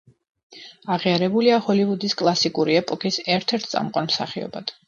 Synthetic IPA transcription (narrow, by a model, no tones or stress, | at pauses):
aʁiaɾɛbuliahɔlivud̪iskʼlˠasikʼuɾiɛpʼɔkʼisɛɾt̪ʰɛɾt̪̚ʰt̪ʼa̰mqʼanmsa̰χiɔ̰bad̪̥